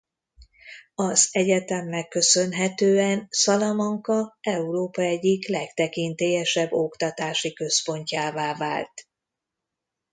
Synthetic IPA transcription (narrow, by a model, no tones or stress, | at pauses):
ɒzɛɟɛt̪ɛmːɛkːø̞sø̞nɦɛt̪øːɛnsɒlomɔŋkɒɛuɾoːpɒɛɟːiklɛkt̪ɛkint̪eːjɛʃɛbːo̞kt̪ɒt̪aːʃikø̞spo̞ɲcaːvaːvaːlt̪